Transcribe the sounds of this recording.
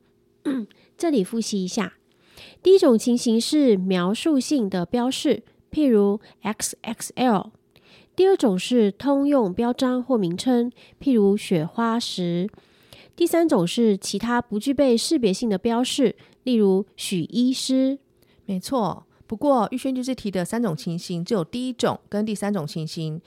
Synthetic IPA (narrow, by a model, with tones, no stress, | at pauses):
ʈ͡ʂɤ˥˩li˨˩fu˥˩ɕi˧˥i˧˥ɕja̰˥˩ | t̪i˥˩i˦˥ʈ͡ʂʊ˨˩ŋt͡ɕʰi˧˥ŋɕi˧˥ŋʂɻ̩˥˩mjɑ˧˥ʊʂu˥˧ɕi˥˩ŋd̪ə˩pjɑ˥ʊʂɻ̩˥˩ | pʰi˥˩ɻu˧˥ | ɛ˥ksʔɛ˥ksɛ˥˩ | t̪i˥˧ə˥˩ʈ͡ʂʊ˨˩ŋʂɻ̩˥˩t̪ʰʊ˥ŋjʊ˥˩ŋpjɑ˥ʊʈ͡ʂɑ˥ŋxwɔ˥˩mi˧˥ŋʈ͡ʂʰə˥ŋ | pʰi˥˩ɻu˧˥ɕɥɛ˨˩xwa˥ʂɻ̩˧˥ | t̪i˥˩sa˥nʈ͡ʂʊ˨˩ŋʂɻ̩˥˩t͡ɕʰi˧˥t̪ʰa˥pu˧˥t͡ɕy˥˧pe˥˧ɪʂɻ̩˥˧pjɛ˧˥ɕi˥˩ŋd̪ə˩pjɑ˥ʊʂɻ̩˥˩ | li˥˩ɻu˧˥ɕy˨˩ʔi˥ʂɻ̩˥ | me˧˥ɪt͡sʰwɔ˥˩ | pu˧˥kwɔ˥˧y˥˩ɕɥɛ˥nt͡ɕy˥˧ʂi˥˩t̪ʰi˧˥d̪ə˨sa˥nʈ͡ʂʊ˨˩ŋt͡ɕʰi˧˥nɕi˥nt͡ɕo˥˩ʊjo˨˩ʊt̪i˥˧i˦˥ʈ͡ʂʊ̰˨˩˦ŋkə˦nt̪i˥˩sa˥nʈ͡ʂʊ˨˩ŋt͡ɕʰi˧˥nɕi˥n